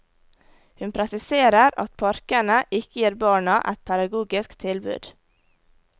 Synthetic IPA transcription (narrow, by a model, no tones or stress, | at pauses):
hʉnpʰɾɛsɪseːɾəɾɑ̰t̪pʰɑɾkənəʔɪkəjiːɾbɑːɳɑʔæ̰t̪̚pʰæd̪ɑɡuːɡɪskt̪ʰɪlbʉ̰ːd̪̥